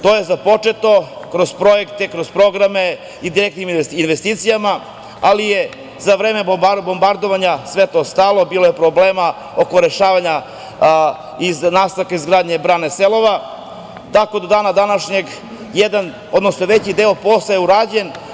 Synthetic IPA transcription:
t̪oje̞zapo̞t͡ʂe̞t̪o̞kɾo̞zpɾo̞jekt̪ekɾo̞zpɾo̞ɡɾame̞ | id̪iɾekt̪niminʋest̪iːt̪sijama | alije | zaʋɾeːmebabo̞mbaɾd̪o̞ʋaɲasʋe̞t̪o̞ːst̪alˠo̞biːlˠo̞jepɾobleːma | o̞ko̞ɾeʃaːʋaɲa | iznaːst̪aʋkaizɡɾaːd̪ɲe̞bɾaːneselˠo̞ʋa | t̪ako̞d̪o̞d̪aːnad̪anaʃɲe̞ɡ | jed̪an | od̪nosnoʋe̞t͡ɕid̪eopo̞sajeuɾaːd͡ʑe̞n

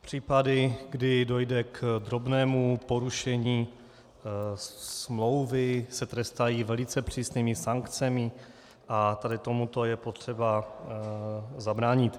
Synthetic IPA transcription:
pr̝̥iːpadɪɡdɪdo̞jdɛkd̪ɾo̞bnɛːmupo̞ɾuʃɛɲiː | smlo̞wvɪsɛt̪ɾɛst̪ajiːvɛlɪt͡sɛpr̝̥iːsniːmɪsaŋkt͡sɛmɪ | ʔat̪adɪt̪o̞mut̪o̞jɛpo̞t̪r̝̥ɛba | zabɾaːɲɪt̪

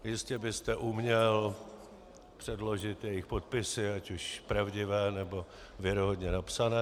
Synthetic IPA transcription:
jɪscɛbɪst̪ɛʔumɲɛl | pr̥ɛdlo̞ʒɪt̪jɛjɪxpot̪̚pɪsɪacuʃpɾavɟɪvɛːnɛbo̞ | vjɛɾoɦod̪ɲɛnapsanɛː

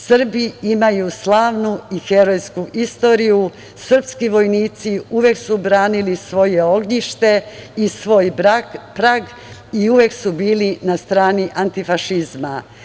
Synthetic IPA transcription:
sr̩biimajuslˠaːʋnuixe̞ɾo̞jskuʔist̪o̞ɾiju | sr̩pskiʋo̞jniːt̪siuʋe̞ksubɾaːnilisʋo̞jeo̞ɡɲiʃt̪e̞isʋo̞ːjapɾaɡ | iuʋe̞ksubiːlinast̪ɾaːniʔant̪ifaʃizma̰

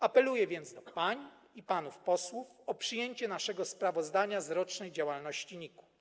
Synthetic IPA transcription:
apɛlujɛvʲjɛnd̪sd̪ɔpaɲi | ipanufpɔswufɔpʂɘjeɲt͡ɕɛnaʂɛɡɔspɾavɔzd̪aɲazɾɔt͡ʂnɛjd͡ʑawalnɔɕt͡ɕiɲiku̥

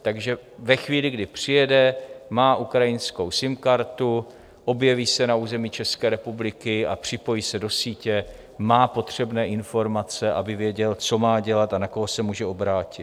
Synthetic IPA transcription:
t̪aɡʒɛvɛxviːlɪɡdɪpr̝̥ɪjɛdɛmaːʔukɾajɪnsko̞wsɪmkaɾt̪u | ʔo̞bjɛviːsɛnauːzɛmiːt͡ʃɛskɛːɾɛpublɪkɪa̰pr̝̥ɪpo̞jiːsɛdo̞siːcɛ | maːpo̞t̪r̝̥ɛbnɛːʔɪnfo̞ɾmat͡sɛʔa̰bɪvjɛɟɛlt͡so̞maːɟɛlat̪anako̞ɦosɛmuːʒɛo̞bɾaːcɪt̪

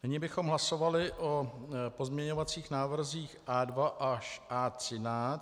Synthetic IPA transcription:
nɪɲɪbɪxo̞mɦlaso̞valɪʔopo̞zmɲɛɲo̞vat͡siːxnaːvr̩ziːxʔaːdvaʔaʃʔaːt̪r̥ɪnaːt͡s

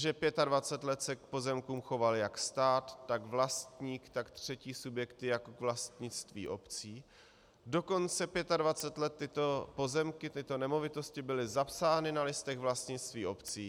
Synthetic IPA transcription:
ʒɛpjɛt̪advat͡sɛt̪lɛt̪sɛk̚po̞zɛmkuːmxo̞valɪjakst̪aːt̪ːaɡvlast̪ɲiːkt̪akt̪r̝̥ɛciːsubjɛkt̪ɪjakokvlast̪ɲɪt͡st̪vḭːʔo̞pt͡siː | do̞ko̞nt͡sɛpjɛt̪advat͡sɛt̪lɛt̪ːɪt̪o̞po̞zɛmkɪt̪ɪt̪o̞nɛmo̞vɪt̪o̞scɪbɪlɪzapsaːnɪnalɪst̪ɛɣvlast̪ɲɪt͡st̪viːʔo̞pt͡siː

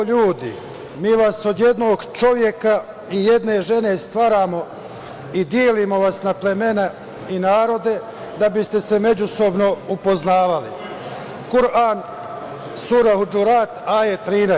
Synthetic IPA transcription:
ʎuːd̪ḭ | miːʋaso̞d̪je̞d̪no̞ːɡt͡ʃo̞ʋje̞ka | ije̞d̪ne̞ʒe̞ne̞st̪ʋaːɾaːmo̞ | id̪jeːlimo̞ʋasnaple̞me̞ne | inaːɾo̞d̪e̞ | d̪abist̪e̞se̞me̞d͡ʑuso̞bno̞upo̞znaːʋalḭ | kuɾaːn | suɾaɦud͡ʒuɾaːt̪aːjet̪ɾiːna

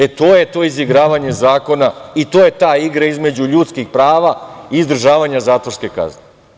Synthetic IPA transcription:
et̪oːjet̪o̞ːiziɡɾaːʋaɲe̞zaːko̞nait̪o̞ːjet̪aːiɡɾaizme̞d͡ʑuʎuːt̪skixpɾaːʋaiːzd̪r̩ʒaːʋaɲazaːt̪ʋoske̞ka̰zne

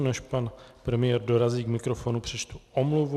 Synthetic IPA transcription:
nɛʃpanpɾɛmɪjɛɾdo̞ɾaziːɡmɪkɾofo̞nupr̥ɛt͡ʃt̪uʔomluv

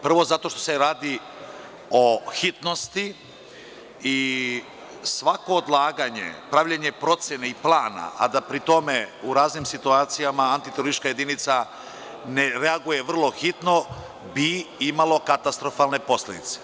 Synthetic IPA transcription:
pr̩ʋo̞zat̪o̞ʃt̪o̞̥se̞ɾaːd̪i | oxit̪no̞st̪i | i | sʋako̞ːd̪lˠaːɡaɲe̞̰pɾaʋʎaɲe̞pɾo̞t̪sjeneiplˠaːna̰ʔa̰d̪apɾit̪o̞me̞uɾaːznimsit̪uaːt̪sijamaːnt̪it̪eɾoɾist̪ːʃkaje̞d̪init̪sa | neɾeaɡuje̞ʋr̩lˠo̞xit̪no̞ | biimalo̞kat̪ast̪ɾo̞falne̞po̞sle̞d̪ḭt̪se̥

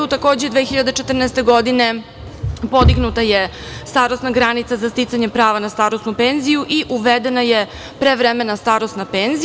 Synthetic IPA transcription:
ut̪ako̞ːd͡ʑed̪ʋeːxiʎad̪et͡ʂet̪r̩nɛst̪e̞ɡo̞d̪ine̞ | po̞d̪iɡnut̪aje | st̪aːɾosnaɡɾanit̪sazast̪it̪saɲe̞pɾaːʋanast̪aːɾosnupe̞nzijuʔiʔuʋed̪e̞naje | pɾeʋɾemenast̪aːɾost̪napeːnzi

